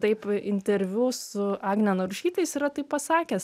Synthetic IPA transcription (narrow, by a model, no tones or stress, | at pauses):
t̪ɐɪpɪnʲt̪ʲɛɾʲʋʲusʊɑːɡnʲɛnoɾʊʃʲiːt̪ɐɪsiɾɐt̪ɐɪppɐsɑːkʲɛs